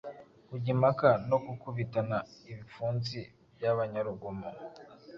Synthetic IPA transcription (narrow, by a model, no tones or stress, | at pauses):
kuɟimakano̞kukuβitanaiβifuːnzi | bjaβaɲaɾuɡomo